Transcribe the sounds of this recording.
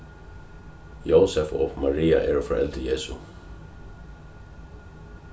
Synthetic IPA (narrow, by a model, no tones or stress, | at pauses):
jowsɛfɔ̰ːmaɹiːaʔɛːɹʊfɾɔ̰ʔɛlt̪əjeːsu